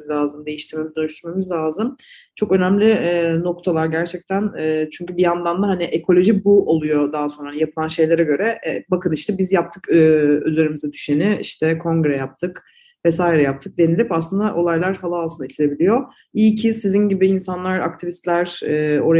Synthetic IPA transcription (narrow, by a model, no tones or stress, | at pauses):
zlʲaːzɯmd̪e̞jiʃt̪ʰiɾme̞mizd̪ønyʃt̪ʰyɾme̞mizlʲaːzɯm | t͡ʃʰo̞kø̞næmlʲiɛno̞k̚t̪ʰalˠaɾɟæɾt͡ʃʰɛc̚t̪ʰænːt͡ʃʰyɲcybijand̪and̪aɦaniʔekʰo̞lʲo̞ʒibuʔolˠujo̞d̪aɦaso̞nɾaanijapʰɯlˠanʃe̞jlʲeɾɛɟø̞ɾɛbakʰɯniʃt̪ʰɛbizjap̚t̪ʰɯkːøzeɾimizɛd̪yʃenɪḭʃt̪ʰɛkʰo̞ŋɡɾɛjap̚t̪ʰɯk | vɛsaːiɾɛjap̚t̪ʰɯk̚d̪e̞nilʲipaslˠɯnd̪aʔo̞lˠajlˠaɾhalˠaːlˠt̪ʰɯnit̪ʰilʲe̞bilʲijo̞ | icʰisizinɟibiːnsanlˠaɾa̰kt̪ʰivist̪lʲæɾɛːo̞ɾ